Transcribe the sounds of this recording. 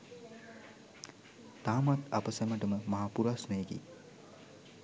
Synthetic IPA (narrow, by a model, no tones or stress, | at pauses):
t̪aːmat̪a̰pəsɛməʈəməmaɦapuɾasnməjeɡḭː